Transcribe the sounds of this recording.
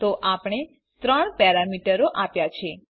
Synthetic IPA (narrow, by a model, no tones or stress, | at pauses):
t̪oʔapɳ̃e | t̪ɾəɳpɛɾamiʈəɾoʔapjat͡ʃʰe